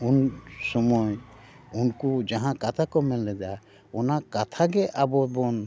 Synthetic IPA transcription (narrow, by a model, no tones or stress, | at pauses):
unsɔmɔj | unkud͡ʒaɦãkat̪ʰakɔmɛlːɛd̪a | ɔnakat̪ʰaɡɛʔabɔbɔn